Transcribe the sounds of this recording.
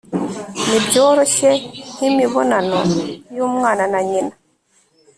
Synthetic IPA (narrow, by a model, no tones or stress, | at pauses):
mid͡ʒɔɾɔʃɛhimiβɔnanɔjumŋananaɲina